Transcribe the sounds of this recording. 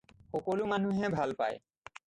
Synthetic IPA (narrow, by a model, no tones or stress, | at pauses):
xɔkolumanuɦɛbʱalpa̰j̰